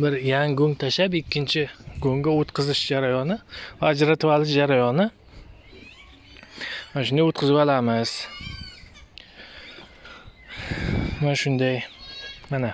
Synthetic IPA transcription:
bɪɾjaŋɡoŋt̪ʰaʃapɪkʲʰːɪnt͡ʃʰɪɡoŋɡʲaot̪qɨzɪʃd͡ʒaɾajɒnɪvaːd͡ʒɾat̪ʰɪvalɪʃd͡ʒaɾajɒnɪ | anaʃʊnd̪ajot̪̚qʰɨzɪbalamɪz̥ | anaʃʊnd̪ajmana

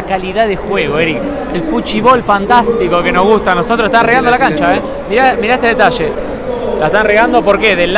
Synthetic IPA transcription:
kaliðaðexweɣoeɾik | elfut͡ʃiβo̞lfant̪ast̪ikokenoɦɣust̪anosot̪ɾose̥t̪anreɣand̪olakant͡ʃae | miɾamiɾaht̪eðet̪aʃe | laeht̪anreɣand̪opoɾkeðel

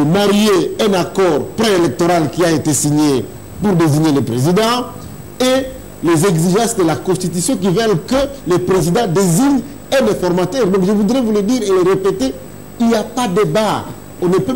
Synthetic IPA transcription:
əmaʁijeɛ̃nakɔʁpʁɛ̃elɛk̚t̪ɔʁalkʲiaet̪esiɲe | puʁd̪eziɲelepʁezid̪ɑ̃ | e | lezɛɡziʒɑ̃sd̪əlakɔ̃st̪it̪ysjɔ̃k̬ivɛlkəlepχezid̪ɑ̃d̪eziɲ | ɛ̃nɛ̃fɔʁmat̪ɛʁd̪ɔ̃kʒəvud̪ʁɛvuled̪iʁeleʁepet̪e | iljapad̪eba | ɔ̃nəpø

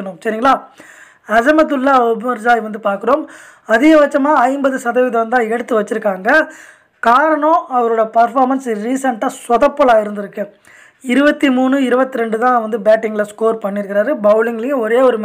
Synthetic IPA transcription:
ɐnʊ̃msɐɾiŋɡɐɭaː | ɐd͡ʒɐmɐt̪ːɯlːaːɔbɪmɪɾd͡ʒaːjʋɐnd̪ɯpaːɾkɯɾoːm | ɐðɪɣɐʋɐt͡ʃːɐmaːɐɪmbɐðɯsɐðɐʋɪðɐɐnd̪ãːɛɽɯt̪ːɯʋɐt͡ʃːɪɾɯkːaːŋɡɐ | kaːɾɐɳõːɐʋɐɾoːɽɐpɐɾfaːɾmɐnsɾiːsɐɳʈaːswɐðɐpːɔɭaːɪɾɯnd̪ɪɾɯkːɯ | ɪɾɯbɐt̪ːimuːɳɯɪɾɯbɐt̪ːiɾɛɳɖɯt̪ãːʋɐnd̪ɯbɛːʈːɪŋɡlɐskoːɾpɐɳːɪɾɯkːɪɾaːɾɯbɐʊlɪŋɡɪlɪjɯ̃ɔɾeːɔɾɯm

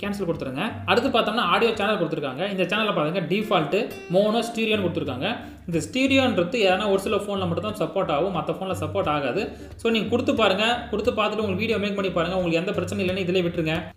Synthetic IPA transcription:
kaːnsɐlkʊɽɯt̪ːɯɾɯŋɡɐɐɾɯt̪̬ːɯpaːɾt̪ːnːaːaːɽɪjoːt͡ʃaːnɐlkʊɽɯt̪ːɯɾɯkːa̰ːŋɡɐɪnd̪ɐt͡ʃaːnɐlːɐpaːt̪ɯŋɡɐɖiːfaːlʈːɯ | moːnõːsʈiːɾɪjoːnkʊɽɯt̪ːɯɾɯkːa̰ːŋɡɐ | ɪnd̪ɐsʈiːɽɪjoːnɾɯt̪ːɯeːðeːnːaːɔɾɯsɪlɐfoːnlɐmɐʈːɯt̪ːãːsɐpːoːɾʈːaːʋɯ̃mɐt̪ːɐfoːnlɐsɐpːoːʈaːɣaːðɯ | soːniːŋɡɐkʊɽɯt̪ːɯpːaːɾɯŋɡɐkʊɽɯt̪ːɯpaːɾt̪ɯʈːɯʊŋɡɐɭʋiːɽɪjoːmeːkpɐɳːipaːɾɯŋɡɐʊŋɡɐɭɯkːɐɛnd̪ɐpɪɾɐt͡ʃːɛnɛɪlɐnːɯɪðɪleːʋɪʈːɪɾɯŋɡɐ

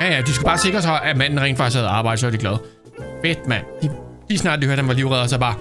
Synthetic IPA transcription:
jæjæd̥isɡ̥ub̥ɑ̈ːse̝ɡ̥ʁɐsɒ̽ʔæmæn̰n̩ʁɛ̰ŋnd̥fɑ̈ɪshæð̩ˠɑ̈ːb̥ɑ̈ɪ̰dəsɒʋæd̥iɡlɛð̞ˠ | fed̥mæn̰d̥iliːsnɑ̰̈ːd̥diøɐd̥hænʋɑ̈liʊʁɛðˠɐsɒb̥ɑ̈ː

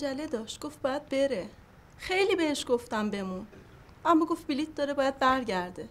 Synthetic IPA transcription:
d͡ʒæle̞d̪ɒːʃt̪̚ɡ̥o̞fb̥ɒːjæd̪̚be̞ɾe | xe̞jliːbe̞heʃɡ̥oft̪æmbe̞mun | ʔæmːɒːɡo̞ft̪bilit̪̚ʰd̪ɒːɾebɒːjæd̪̚bæɾɟæɾd̪e̞

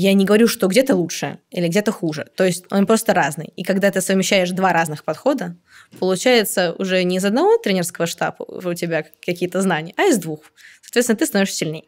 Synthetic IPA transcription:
janʲɪɡəvɐɾʲuʂt̪o̞ɡdʲet̪əlˠutʂɨ̰ilʲɪɡdʲet̪əxuʐɨ̰t̪o̞jɪsʲtʲo̞̰npɾo̞st̪əɾaznɨ̰jikɐɡd̪at̪ɨsəvʲmʲɪɕːæjɪʂd̪vaɾaznɨxpɐt̪xo̞d̪ə | pəlˠʊt͡ɕæjɪt̪səʊ̰ʐɛnʲɪːzɐd̪nɐvo̞t̪ɾʲenʲɪrskəvəʂt̪a̰pə̰ʊtʲɪbʲakɐkʲijət̪əznanʲɪjəʔɐɪzd̪vux | sɐːt̪vet̪ʲnət̪ɨst̪ɐnovɪʂsʲɪlʲnʲej

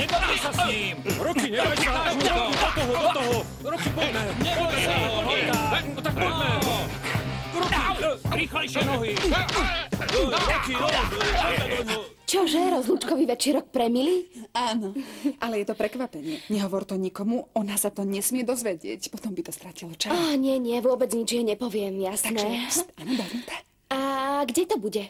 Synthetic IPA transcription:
ɲɛbaɛsasɲimɾɔkiɲɛɛɛaɾkid̪ɔt̪ɔɦɔd̪ɔt̪ɔɦɔ | ɾɔkipɔdnɛɲɛɔɛsɔaɔt̪ak̚pɔnɛ | ɾɔkiɾiːxlɛjʃɛnɔɦi | ɾɔkiɔɔɛɔɔ | t͡ʃɔʒɛɾɔzlut͡ʃkɔʋiʋɛt͡ʃiɾɔk̚pɾɛmiliaːnɔʔalɛjɛt̪ɔpɾɛkʋapɛɲɪɛɲɛɦɔʋɔɾt̪ɔɲikɔmuɔnasat̪ɔɲɛsmɪɛd̪ɔzʋɛɟɪɛcpɔt̪ɔmbit̪ɔst̪ɾacilɔt͡ʃaaɲɪɛɲɪɛʋʊɔbɛd͡zɲid͡ʒjɛɲɛpɔʋɪɛmjasanɛaːnɔb̪ɔɾnut̪ɛ̥ | aɡɟɛt̪ɔbuɟɛ

